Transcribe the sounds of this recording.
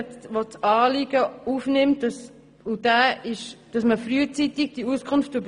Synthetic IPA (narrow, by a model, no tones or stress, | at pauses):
t͡stʋot͡sɑːlɪɡ̥əufnɪmt̚d̥ɑs | ud̥æːɪʃd̥ɑsməfɾyət͡sit̪ɪɡ̚d̥iuskʰʊnftʊb